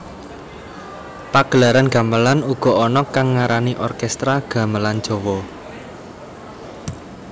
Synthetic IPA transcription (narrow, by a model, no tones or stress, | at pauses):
paɡ̥əlaɾanɡ̥a̤məlanuɡ̥ɔ̤ɔnɔkaŋːaɾaniʔɔrkɛst̪ɾaɡ̥a̤məlan̥d͡ʒ̥ɔ̤wɔ